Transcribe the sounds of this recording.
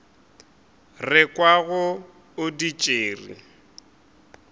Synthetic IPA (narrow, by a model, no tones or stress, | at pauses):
rɪkʼwaɣʊ | ʊdit͡ʃʼeːrḭ